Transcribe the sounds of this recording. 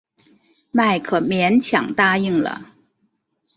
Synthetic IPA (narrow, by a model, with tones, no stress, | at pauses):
ma˥˩ɪkʰɤ˨˩mjɛ˧˥nt͡ɕʰjɑ̰˨˩ŋt̪a˥i˥˩ŋlə̰˩